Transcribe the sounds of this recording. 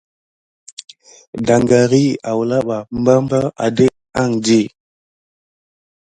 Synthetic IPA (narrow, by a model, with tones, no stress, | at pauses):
da˨ŋɡa˨ɾi˦˨a˨wla˦ɓa˨m̩˦ba˦m˦bə˦a̰˨de˦ʔ | a˦˨ŋd͡ʒi˦˨